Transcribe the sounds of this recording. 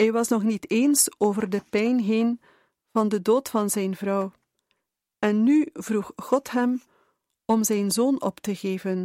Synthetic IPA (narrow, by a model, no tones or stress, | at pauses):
ɦɛjʋɑsnɔχniteːnsoːvərdəpɛjnɦeːn | v̥ɑndədoːtfɑnzɛjnvrɑw | ɛnːyvruxχɔtɦɛm | ɔmzɛjnzoːnɔ̰ptəɣeːvən